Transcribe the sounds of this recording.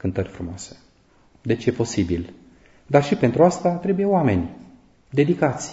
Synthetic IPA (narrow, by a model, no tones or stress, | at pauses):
kɨnt̪ərʲfɾumoase̥ | d̪e̞t͡ʃje̞po̞sibil | d̪arʃipe̞nt̪ɾuast̪at̪ɾe̞buje̞oame̞nʲ | d̪e̞d̪ikat̪sʲ